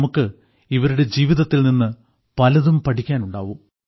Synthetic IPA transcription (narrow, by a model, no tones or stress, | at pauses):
mukːɨ | iʋɐɾuɽe̞d͡ʑiːʋiðɐt̪ːilninːɨ | pɐlɐðumpɐʈʰikʲːaːnuɳɖa̰ːʋum